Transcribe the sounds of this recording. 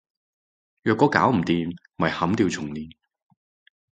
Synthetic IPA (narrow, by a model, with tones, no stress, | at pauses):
jœː˧kːɔː˨˥ka̰ː˨˥wm̩˨˩t̪iː˨m | mɐ˨˩jhɐ˨˥mt̪iː˧wt͡sʰʊ˨˩ŋliː˨n